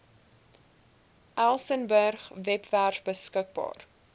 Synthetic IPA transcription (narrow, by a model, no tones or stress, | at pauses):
ʔælˠsənbərχvɛpværfbəskək̚bɑ̰ːr